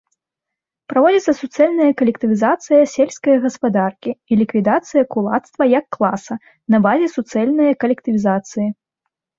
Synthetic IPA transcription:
pɾavɔd͡zʲit̪sːɐsut̪sɨɛlʲnɐjɐkɐlʲɛkt̪ɨvʲizat̪sɨjɐsʲelʲsʲkɐjɐɣɐspad̪arkʲiilʲikvʲid̪at̪sɨjɐkulˠa̰t̪st̪vɐjɐkːlˠasɐ | nɐbazʲɛsut̪sɨɛlʲnɐjɐkɐlʲɛkt̪ɨvʲizat̪sɨji

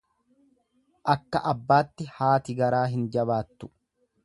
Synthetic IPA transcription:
ʔɐkːɐʔɐbːaːt̪ːɪhaːt̪ɪɡɐɾaːɦɪnd͡ʒɐβaːt̪ːʊ̥

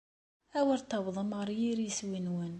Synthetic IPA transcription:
æwəɾt̪ːɑwðˤəmaɾˤjiɾjəswinwən

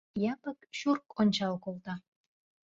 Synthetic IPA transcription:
jɑpəkʃurkonʲt͡ɕɑlkolt̪ɑ

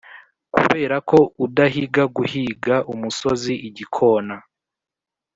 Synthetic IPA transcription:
kṵβe̞ːɾako̞udaɦiɡaɡuhiɡaʔumuso̞ziʔiɟikʰo̞ːna

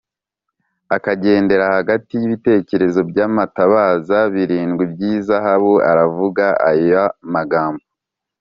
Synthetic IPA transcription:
akaɟe̞ːnde̞ɾahaɡatijiβite̞ce̞ɾe̞zo̞bɟaːmataβaːzaβiɾiːŋɡwibɟiːzaɦaβua̰ɾavuɡaa̰jamaɡaːmbo

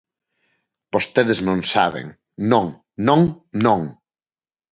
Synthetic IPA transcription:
b̥ost̪eðeznõnsa̰βḛŋ | nõŋ | nõŋ | noŋ

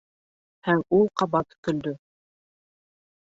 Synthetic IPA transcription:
hæŋulˠqɑbɑt̪k̪ɵ̆ld̪ɵ

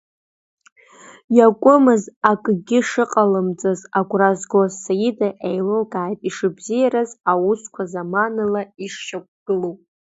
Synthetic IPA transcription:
jakʷʼʊmɨzakʼɡʲɪʂɨqʼalɨmt͡sʼɨzaɡʷʼrazɡozsajidaʔejlɨlɡaːjtʼiʂɨbzijaɾazawuskʷʰazamanɨlaiʂʃak̚ʷʰʼɡ̥ɨlupʼ

